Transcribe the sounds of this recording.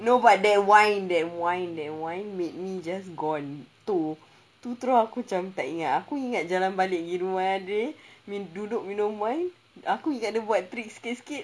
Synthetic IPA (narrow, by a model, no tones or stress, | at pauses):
nobat̚dɛt̚wãjndɛtwãjndɛt̚wãjnmet̪̚mid͡ʒas̬ɡɔnt̪u | t̪ut̪ɾoakut͡ʃamt̪aʔiŋat̪̚akuiŋat̪̚d͡ʒalanbalɪʔ̚ɡiɾumaadəmĩdudʊʔ̚minɔ̃wãjn | akuiŋat̪̚dəbuat̪̚t̪ɾik̚si̥kit̪̚si̥kit̪̚